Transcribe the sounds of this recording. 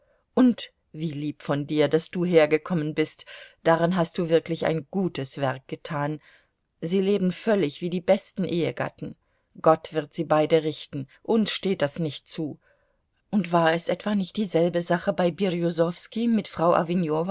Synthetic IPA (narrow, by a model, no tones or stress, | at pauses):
ʔʊnt | v̥iːliːpfɔndiːɐdasd̥uːɦeːɐɡəkʰɔmənbɪstd̥aʁanɦast̚d̥uːvɪɐklɪça̰ɪnɡ̥uːtəsv̥ɛɐk̚ɡ̥ətʰaːn | ziːleːbn̩fœlɪçv̥iːdiːbɛstn̩ʔeːəɡa̰tn̩ | ɡ̥ɔtv̥ɪɐtz̥iːbaɪdəʁɪçtn̩ʔʊnsʃteːt̚d̥asnɪçtt͡suː | ʔʊntv̥aːɐɛsʔɛtv̥anɪçt̚d̥iːzɛlbəzaχəbaɪbiʁijozɔfskimɪtfʁ̥aʊʔa̰vinjoːva